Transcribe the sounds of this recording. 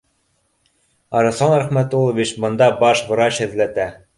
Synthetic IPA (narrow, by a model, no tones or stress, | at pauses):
ɑɾɑ̆sɑnɾæχmæt̪ulˠɤ̆vʲit͡ɕbɤ̆nd̪ɑbɑʃbɤ̆ɾɑɕhɘ̆ðlæt̪æ